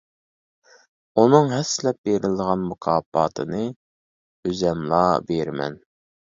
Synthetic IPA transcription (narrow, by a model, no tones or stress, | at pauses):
unɨŋɦɛsːɪlɛp̚beɾɪld̪əʁɑnmukʰɑːbɑ̰ːt̪ʰɨnɨ | øzɛmlˠɑːbeɾmɛ̰n